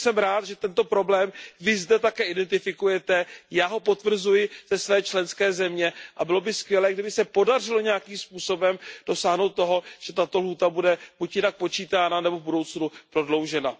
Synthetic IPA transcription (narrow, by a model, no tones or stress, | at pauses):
sɛmɾaːt̪ʒɛt̪ɛnt̪o̞pɾo̞blɛːmvɪzdɛt̪akɛːɪdɛnt̪ɪfɪkujɛt̪ɛjaːɦo̞po̞t̪vr̩zujɪz̥ɛsvɛːt͡ʃlɛnskɛːzɛmɲɛʔabɪlo̞bɪskvjɛlɛːɡdɪbɪsɛpo̞dar̝ɪloɲɛjakiːmspuːso̞bɛmd̥o̞saːɦno̞wt̪̚ːo̞ɦo̞ʒ̥ɛt̪at̪olɦuːt̪abudɛb̥ucjɪnak̚po̞t͡ʃiːt̪aːnanɛbo̞budo̞wt͡snupɾo̞dlo̞wʒɛna